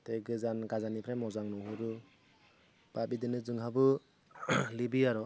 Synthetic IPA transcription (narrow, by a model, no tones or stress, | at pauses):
teɡɯzanɡazanipʰɾamɔzaŋnɔɦuɾu | b̥abidɯnɯzɯŋɦabɯ | libiaɾɔ